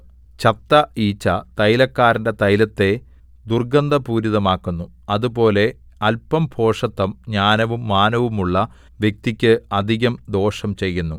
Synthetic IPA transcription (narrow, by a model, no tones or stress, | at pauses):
t͡ɕɐt̪ːɐiːt͡ɕːɐt̪ɐjlɐkːaːɾinde̞t̪ɐjlɐt̪ːe̞ | d̪urɡɐnd̪ɐpuːɾiðɐmaːkːunːu | ɐðupo̞ːle̞ | ɐlpɐmpʰo̞ːʂɐt̪ːɐmɲaːnɐʋumːaːnɐʋumuɭːɐ | ʋje̞k̚t̪ikʲːɨɐd̪ʱiɣɐmd̪o̞ːʂɐmt͡ɕe̞jːunːu